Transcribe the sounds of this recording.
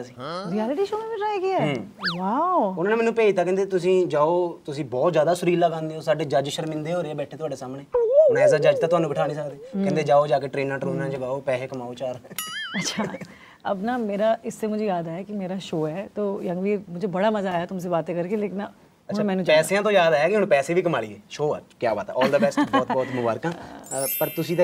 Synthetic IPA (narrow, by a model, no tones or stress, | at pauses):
sĩːɾiɛːlɪʈiːʃoːmeːbiʈɾaːjaɡɪaɛːʋaːʊʊnaːneːmɛːnũːpeːit̪aːkɛ̃ːnd̪eːt̪ʊs̬ĩːd͡ʒaːoːt̪ʊsĩːbɔːt̪zjaːd̪aːsʊɾiːlːəɡãːnd̪iːoːsaːɖeːd͡ʒəd͡ʒʃəɾmɪ̃nd̪eːɦoːɾeeɛːbɛːʈʰeːt̪ʊaːɖeːsaːmɳeːʊnɛːsaːd͡ʒəd͡ʒt̪aːt̪ʊɦaːnũːbɪʈʰaːnĩːsək̚d̪eːkɛ̃nd̪eːd͡ʒaːoːd͡ʒaːkeːʈɾeːnːãːʈɾeːnãːt͡ʃəɡaːoːpɛːɦeːkəmaːoːt͡ʃaːɾɛɐtːʃʰaː | ɐbnaːmeːɾaːʔɪsːemʊd͡ʒʱejaːd̪aːjaːkimeːɾaːʃoːɛːt̪oːjə̃ŋɡʋiːɾmʊd͡ʒʱeːbɐɽaːməzaːjaːt̪ʊms̬eːbaːt̪ẽːkəɾkeleːkɪn | əʊamɛːnũːt͡ʃɛːsejãːt̪̬õjaːd̪aːjaːkɪɦʊnpɛːseːbʱiːkəmaːɽḭeːʃoːa̰ːkjaːba̰ːt̪ɛ̰ɔːld̪əbɛːsbɔːt̪bɔːt̪mʊbaːɾkãːpəɾt̪ʊsĩːt̪ː